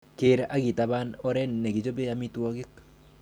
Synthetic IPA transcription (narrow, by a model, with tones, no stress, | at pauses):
ke˦ɾʔa˦ɡi˨ta˨ba˦nɔ˦ɾɛ˦n˨ne˨ɡi˨d͡ʒo˦be˦a˦mi˦twɔ˦ɡɪ˦k